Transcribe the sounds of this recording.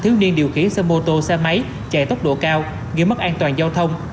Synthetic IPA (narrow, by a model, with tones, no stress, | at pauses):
t̪ʰɨ˨˦wni˧ənɗi˨˩əwxi˨˦ənsɛ˧mo˧t̪o˧sɛ˧ma˨˦j | t͡ɕɛ˧˩t̪o˦˥k͡p̚ɗo̰˧˨kaː˧w | ŋi˧əmə˦˥k̚ʔaː˧nt̪waː˨˩nzaː˧wt̪ʰə˧wŋ͡m